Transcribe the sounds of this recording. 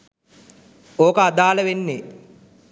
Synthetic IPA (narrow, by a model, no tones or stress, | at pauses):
oːkəad̪aːləʋenːe